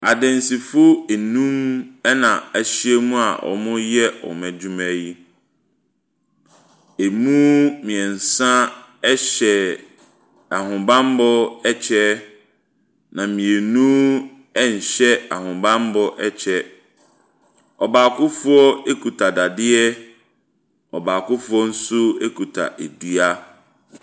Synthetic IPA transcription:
a˨dɪ̃˨n˨si˨fʊ˦e˨nũ˦m˦nã˨ɛ˨ɕɪ˦ɛ˦mũ˦a˨ʔɔ̰˨mʊ̃˦jɛ˦ɔ̰˨mæ̃˨d͡ʑu˦mɛ̃˦ji˦ | e˨mũ˦mĩ˨ɛ˨n̩˨sã˦ɛ˦ɕɛ˨ | a˨hʊ̃˨bã˦m˦bɔ˦ɛ˦t͡ɕʰɛ˦ | nã˨mĩ˨e˨nũ˦ | ɛ˦ɲ̩˨ɕɛ˦a˨ɦʊ̃˨bã˦m˦bɔ˦ʔɛ˦t͡ɕʰɛ˦ | ɔ˨baː˨kʰʊ˦fʊ˦ɔ˦e˦kʰu˨tʰa˨da˨dɪ˦ɛ˦ | ɔ̰˨baː˨kʊ˦fʊ˦ɔ˦n̩˦sʊ˦e˦kʰu˨tʰa̰˨ʔe˨du˦a˦

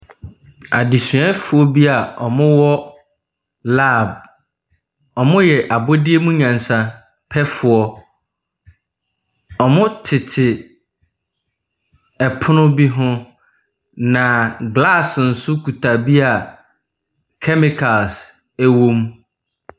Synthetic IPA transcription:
a̰˨di˨sɥɛ˦fʊ˨ɔ˦bi˦a˨ɔ˨mʊ̃˦wɔ˦ | la˦˨b̚ | ɔ˨mʊ̃˦jɛ˨ʔa˨bɔ˦di˦e˦mũ˦ɲã˨n˨sã˨ | pʰɛ˦fʊ˨ɔ˦ | ɔ˨mʊ̃˦tʰɪ˨tʰɪ˨ | ɛ˨pʰʊ˦nʊ̃˦bi˦ɦʊ̃˦ | nã˨ɡla˦˨sn̩˨sʊ˦kʰu˨tʰa˨bi˦a˨ | kʰɛ˦mɪ˨kʰa˨ls | æ˦wõ˦m

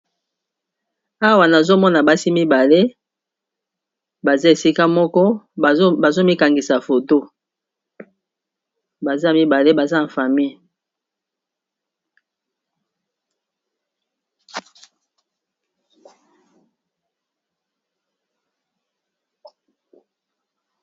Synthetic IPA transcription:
a˦wa˨na˨zo˦mɔ˦na˨ba˦si˦mi˦ba˨le˦ | ba˨za˦e˨si˦ka˦mɔ˦kɔ˦˨˦ba˨zo˦mi˦ka˨ŋɡi˨sa˨fo˨to˦ | ba˨za˦˨mi˦ba˨le˦ba˨za˦a˨fa˨mi˦˨

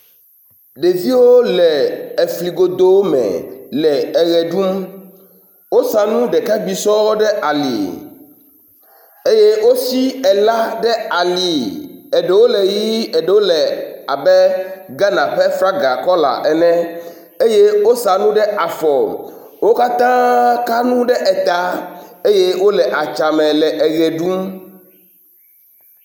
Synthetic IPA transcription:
ɖe˨vi˦wo˦lɛ˨e˨fli˨ɡo˨d̪o˦wo˦mɛ̰̃˨lɛ˨ɛ˨ɣɛ˨ɖu˦m | wo˦sa˨nũ˦ɖɛ˨ka˦ɡ͡bi˨sɔ˦wɖɛ˦ʔa˨lḭ˨ | e˦je˦wo˦si˦ɛ˨la˦ɖɛ˦a˨li˨ɛ˨ɖɛ˨wo˦lɛ˨ji˦ɛ˨ɖɛ˨wo˦lɛ˨a˨bɛ˦ɡa˦nã˨ɸɛ˦fɾa˦ɡa˨kɔ˦la̰˨ʔɛ˨nɛ̃˦ | e˦je˦wo˦sa˨nũ˦ɖɛ˦ʔa˨fɔ˨l | wo˦ka˦t̪ã˦ka˦nũ˦ɖɛ˦ʔɛ˨t̪a˨˦e˦je˦wo˦lɛ˨ʔa˨t͡ʃa˨mɛ̃˨lɛ˨ʔɛ˨ɣɛ˨ɖũ˦m

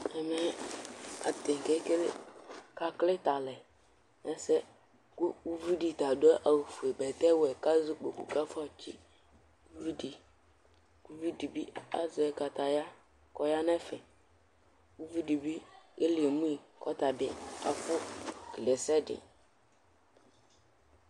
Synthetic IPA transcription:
ɛ˨mɛ˦ | a̰˨t̪ɪ˨ŋ˨kɛ˦kka˨klɪ˦t̪a˨lɛ˨ | nɛ˦sɛ˦ | ku˦ku˦vi˦di˨t̪a˨dʊ˦ɛ˦ʔa˨ɣfu˨e˨bɛ˨t̪ɛ˦wɛ˨ka˦zu˦k͡pe˨kṵ˨ka˦fa˨t͡ʃi˦ | ku˦vi˦di˨ | ku˦vi˦di˨bi˦a̰˨zɪ˨ɛ˨ka˨t̪a˨ja˦ | kɔ˦ja˦nɛ̃˦fɛ˨ | ku˦vi˦di˨bi˦e˦li˨e˨mũ˦i˨kɔ˦t̪a˨bɪ˦a̰˨fʊ˦kle˨sɛ˦dɪ̰˨

